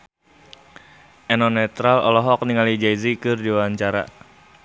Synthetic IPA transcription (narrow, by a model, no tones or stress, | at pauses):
ʔɛnɔnɛt̪ɾalɔ̰lɔɦɔk̚niŋalid͡ʒajzikɨrdiwaaɲt͡ʃaɾa̰